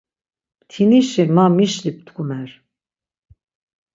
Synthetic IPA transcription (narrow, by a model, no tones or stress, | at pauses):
t̪ʰiniʃimamiʃlip̚t̪ʰkʰumɛɾ